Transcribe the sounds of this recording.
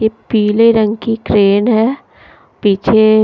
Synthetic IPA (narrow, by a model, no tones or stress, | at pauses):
epiːleɾə̃ŋɡkikɾeːnɦɛː | piːt͡ʃʰe